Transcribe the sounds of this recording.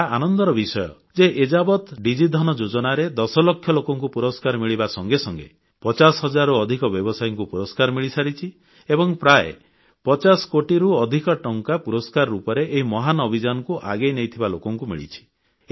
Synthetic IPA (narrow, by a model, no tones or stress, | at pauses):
aanɔnd̪ɔɾɔbisɔjɔ̰ | d͡ʒeʔed͡ʒabɔt̪ɖid͡ʒid̪ʱɔnɔd͡ʒod͡ʒɔnaɾed̪ɔsɔlɔkʰːjɔlokɔŋkupuɾɔskaɾɔmiɭibasɔŋɡesɔŋɡḛ | pɔt͡ʃasɦɔd͡ʒaɾɔɔd̪ʱikɔbjɔbɔsajɔŋkupuɾɔskaɾmiɭisaɾit͡ʃʰi | ebɔŋpɾaḛ | pɔt͡ʃasɔ̥koʈiɾuɔd̪ʱikɔʈɔŋkapuɾɔskaɾɔɾupɔɾeʔːɦimɔɦanɔbʱid͡ʒanɔkuʔa̰ɡejnejt̪ʰibalokɔŋkumḭɭḭt͡ʃʰi̥